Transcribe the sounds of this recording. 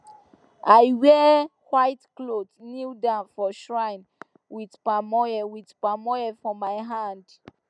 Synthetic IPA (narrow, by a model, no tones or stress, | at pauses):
ajwɛ | hwaɪtklotnildãnfɔʃɹãɪn | wiðpamɔjɛwiðpamɔjɛfɔmaɪɦãnd